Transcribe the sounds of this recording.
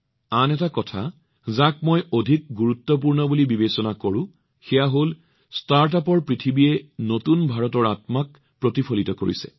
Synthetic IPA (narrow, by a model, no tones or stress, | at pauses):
anɛtakɔtʰa | zak̚mɔjodʱik̚ɡuɹutːɔp̬uɹnɔbulibibesɔnakoɹʊ̃ | xɛjaɦol | staɹtapɔɹpɹitʰibiɛnotunbʱaɹɔtɔɹatmak | pɹotipʰolitɔko̰ɹḭsɛ̰